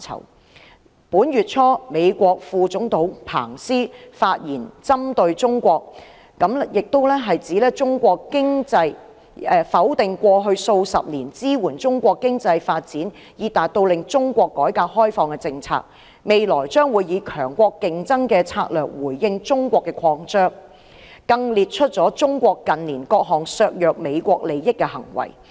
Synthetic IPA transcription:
t͡sʰɐ̰˨˩w | puː˨˥nɥyː˨t̚t͡ʃʰɔː˥me˨˧jkʷɔː˧k̚fuː˧t͡sʊ˨˥ŋt̪o˨˥wpʰa̰ː˨˩ŋsiː˥faː˧t̚jiː˨˩nt͡sɐ˥mt̪ɵ˧ɥt͡sʊ˥ŋkʷɔː˧k̚ | kɐ˨˥mjɪ˨k̚t̪o˥wlɛː˥ɦɐ˨jt͡siː˨˥lɛː˥t͡sʊ˥ŋkʷɔː˧kkɪ˥ŋt͡sɐ˧j | ɛ˧fɐ˨˥wt̪ɪ˨ŋkʷɔː˧ɦɵ˧ɥso˧wsɐ̰˨p̚niː˨˩nt͡siː˥wuː˨˩nt͡sʊ˥ŋkʷɔː˧kːɪ˥ŋt͡sɐ˧jfaː˧t̚t͡siː˨˥n | jiː˨˧t̪aː˨t̚t̪o˧wlɪ˨ŋt͡ʃʊ˥ŋkʷɔː˧kːɔː˨˥jkaː˧hɔː˥jfɔː˧ŋkɛ˧t͡sɪ˧ŋt͡sʰa̰ː˧k̚ | me˨jlɔː˨˩jt͡ʃœː˥ŋwuː˨˧jjiː˨˧kʰœː˨˩ŋkʷɔː˧kkɪ˨ŋt͡sɐ˥ŋkɛː˧t͡sʰaː˧k̚lœː˨˩k̚wuː˨˩jːɪ˧ŋt͡ʃʊ˥ŋkʷɔː˧kːɛ˧kʰɔː˧ŋt͡ʃœː˥ŋ | kɐ˧ŋliː˨t̚t͡ʃʰɵ˥t̚t͡ʃɔː˨˥t͡ʃʊ˥ŋkʷɔː˧kːɐ˨nliː˨˩nkɔː˧k̚ɦɔː˨˩ŋsœː˧k̚jœː˨k̚me˨˧jkʷɔː˧k̚le˨jjɪ˥kːɛ˧hɐ̰˨˩ŋwɐ̰˨˩j

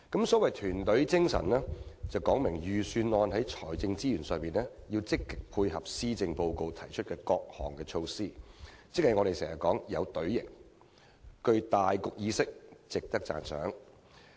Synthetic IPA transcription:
kɐ˨˥msɔː˨˥wɐ˨jt̪ʰyː˨˩nt̪ɵ˨˥ɥt͡sɪ˥ŋsɐ̰˨˩nlɛː˥t͡sɐ˨wkɔː˨˥ŋmɪ˨˩ŋjyː˨syː˧nɔː˧nɦɐ˨˥jt͡ʃʰɔː˨˩jt͡sɪ˧ŋt͡siː˥jyː˨˩nsœː˨˧ŋmiː˨nɛː˥jiː˧wt͡sɪ˥kːɪ˨k̚pʰuː˧jɦɐ˨p̚siː˥t͡sɪ˧ŋpo˧wko˧wt̪ʰɐ˨˩jt͡ʃʰɵ˥t̚kɛː˧kɔː˧k̚hɔ̰ː˨˩ŋkɛː˧t͡ʃʰo˧wsiː˥t͡sɪ˥k̚hɐ˨jŋɔː˨˧ɾe˨jsɛː˨˩ŋɐ˨kɔː˨˥ŋjɐ˨˧wt̪ɵ˨˥ɥjɪ̰˨˩ŋ | kɵ˧ɥt̪aː˨jkʊ˨k̚jiː˨˧sɪ˥k̚t͡sɪ˨k̚t̪ɐ˥k̚t͡sa̰ː˨nsœ̰ː˨˥ŋ

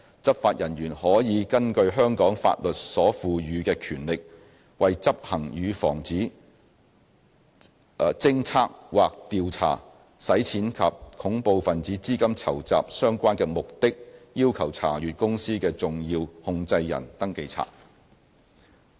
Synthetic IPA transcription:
t͡sɐ˥p̚faː˧t̚jʔɐ˨˩nɥyː˨˩nhɔː˨˥jiː˨˧kɐ˥nkɵ˧ɥɦœː˥ŋkɔː˨˥ŋfa̰ː˧t̚lɵ˨t̚sɔː˨˥fuː˨˧jyː˨˧kɛː˧kʰyː˨˩nlɪ˨k̚ | wɐ˨jt͡sɐ˥p̚hɐ˨˩ŋjyː˨˧fɔ̰ː˨˩ŋt͡siː˨˥ | t͡sɪ˥ŋt͡sʰaː˥k̚waː˨k̚t̪iː˧wt͡sʰa̰ː˨˩ | sɐ˨˥jt͡sʰiː˨˥nkʰɐ˨p̚kʰʊ˨˥ŋpo˧wfɐ˨nt͡siː˨˥t͡siː˥kɐ˥mt͡sʰɐ˨˩wt͡sa̰ː˨p̚sœː˥ŋkʷaː˥nkɛː˧mʊ˨k̚t̪ɪ˥k̚jiː˥wkʰɐ˨˩wt͡sʰa̰ː˨˩jyː˨t̚kʊ˥ŋsiː˥kɛː˧t͡sʊ˨ŋjiː˧whʊ˧ŋt͡sɐ˧jjɐ̰˨˩nt̪ɐ˥ŋke˧jt͡sʰa̰ː˨k̚

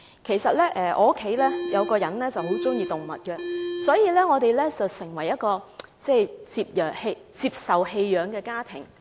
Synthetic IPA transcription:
kʰe˨˩jsɐ˨t̚lɛː˥ʔɛː˨ʔɔ̰ː˨˧˥kʰːe˨˥jlɛː˥jɐ˨˧wkɔː˧jɐ˨˥nlɛː˥t͡sɐ˨who˨˥wt͡sʊ˥ŋjiː˧t̪ʊ˨˩ŋmɐ̰˨t̚kɛ˧sɔː˨˥jiː˧lɛː˥ŋɔː˨˧t̪e˨jlɛː˥t͡sɐ˨wsɪ˨˩ŋwɐ˨˩jːɐ˥t̚kɔː˧t͡sɛː˥˩jt͡siː˧p̚jœː˨khe˧ | t͡siː˧p̚sɐ˨whe˧jːœː˨˧ŋkɛː˧kaː˥t̪ʰɪ˨˩ŋ

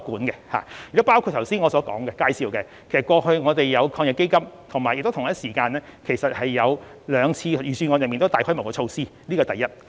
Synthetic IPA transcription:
kuː˨˥nkɛ˧ha̰ː˨jyː˨˩t͡sːpaː˥wkʰu˧t̪ʰɐ˨˩wsiː˥nŋɔː˨˧sɔː˨˥kɔ̰ː˨˥ŋkɛ˧kaː˧jsiː˧wkɛ˧ | kʰe˨˩sɐ˩t̚kʷɔː˧hɵ˧ɥŋɔː˨˧t̪e˨jjɐ˨˧wkʰɔː˧ŋjɐ˨˩kːe˥jkɐ˥mt̪ʰʊ˨˩ŋma˨jɪ˨k̚t̪o˥wt̪ʰɐ˥tsiː˨˩kaː˧nlɛː˥kʰe˨˩jsɐ˨t̚hɐ˨jːɐ˨˧wlœː˨˧ŋt͡sʰiː˧˨jyː˨˩syː˨nŋɔː˨˧jɐ˨nmiː˨t̪wt̪aː˨jhɔː˥m˨˩kɔː˧t͡ʃʰo˧wsiː˥liː˥kɔː˧t̪ɐ˨jɐ˥t̚

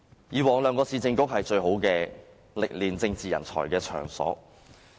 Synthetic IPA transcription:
jiː˨wɔː˨˩ŋlœː˨˧ŋkɔː˧siː˧t͡sɪ˧ŋkʊ˥k̚hɐ˨jt͡ʃɵ˧ɥɦo˨˥wkɛː˧ | lɪ˨k̚liː˨nt͡sɪ˧ŋt͡siː˨jɐ̰˨˩nt͡sʰɔ̰ː˨˩jkɛː˧t͡ʃʰœ̰ː˨˩ŋsɔ̰ː˨˥

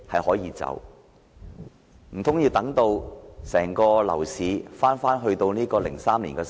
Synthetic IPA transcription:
hɐ˨jhɔː˨˥jiː˨˧t͡sɐ̰˨˥w | m̩˨˩t̪ʰʊ˨˥ŋjiː˧wt̪ɐ˨˥ŋt̪o˧wsɛː˨˩ŋkɔː˧lɐ̰˨˩wsiː˨˧faː˥nfaː˥nɦɵ˧ɥt̪o˧wniː˥kɔː˧lɪ̰˨˩ŋsaː˥mliː˨˩nkɛː˧

